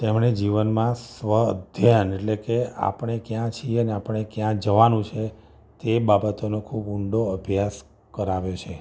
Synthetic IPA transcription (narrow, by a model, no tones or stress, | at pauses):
t̪emɳed͡ʒiʋənmãsʋəəd̪ʱjəneʈlekea̰pəɳekjãt͡ʃʰieəneapəɳekjãd͡ʒəʋanũt͡ʃʰe | t̪ebabət̪onokʰubuɳɖoəbʱjas | kəɾaʋjot͡ʃʰe